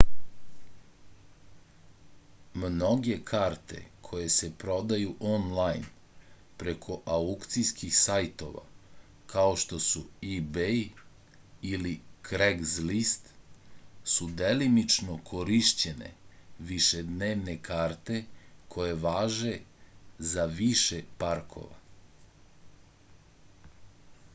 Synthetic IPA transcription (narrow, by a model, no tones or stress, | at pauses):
mno̞ɡe̞kʰaːɾt̪e̞̰kʰo̞je̞se̞pɾo̞d̪ajuʔonlˠajn | pɾe̞kʰo̞ʔaukt̪sijskixsajt̪o̞̰ʋa̰ | kaoʃt̪o̞suibej | ilikɾeɡzlist̪ | sud̪elimit͡ʃnokʰo̞ɾiʃt͡ɕe̞ne̞̰ʋiʃe̞d̪neːʋne̞kʰaːɾt̪e̞kʰo̞je̞ʋaːʒe̞zaʋiʃe̞paɾkʰo̞̰ʋa̰